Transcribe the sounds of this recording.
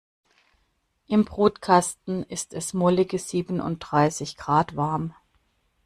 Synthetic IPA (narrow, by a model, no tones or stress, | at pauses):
ʔɪmbʁuːtkʰastn̩ɪstɛsmolɪɡəz̥iːbənʔʊ̰nt̚d̥ʁaɪsɪçɡ̥ʁ̥aːtv̥aɐm